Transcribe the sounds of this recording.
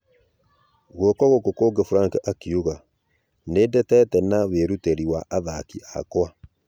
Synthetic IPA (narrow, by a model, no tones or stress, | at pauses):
ɣwokɔɣokokoːɡefuɾaŋkʔakiuɣa | nedɛtɛtɛnaβeɾuteɾiwaʔaðakiʔakwa